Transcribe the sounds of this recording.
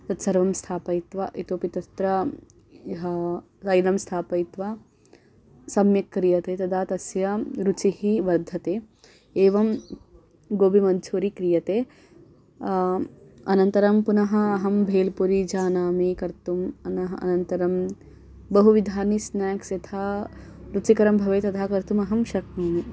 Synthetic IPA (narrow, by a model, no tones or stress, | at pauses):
t̪ɐt̪sɐɾʋɐmst̪ʰaːpɐit̪ʋɐʔit̪upit̪ɐst̪ɾɐ | ɦ | sɐjlɐmst̪ʰaːpɐit̪ʋa | sɐmjɐkːɾijɐt̪eːt̪ɐd̪ʱaːt̪ɐsjɐɾut͡ʃihiʋɐɾd̪ʱɐt̪eː | eːʋɐm | ɡoːbʱimɐnt͡ʃʰuːɾikɾijɐt̪eː | ɐnɐnt̪ɐɾɐmpunɐɦɐ̆ːɦɐmbʱeːlpuɾid͡ʒaːnaːmikɐɾt̪umɐnɐɦɐʔɐ̰nɐnt̪ɐɾɐm | bɐɦuʋid̪ʱaːnisnaːksɐt̪ʰaːɾut͡ʃikɐɾɐmbʱɐʋeːt̪ɐd̪ʰaːkɐɾt̪umɐɦɐmʃɐkmɐːni